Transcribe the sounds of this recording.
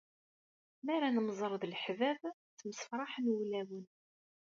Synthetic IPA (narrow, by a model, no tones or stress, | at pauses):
mæɾænəmzˤəɾˤðlħvævθməsfɾˤɑħmwlæwən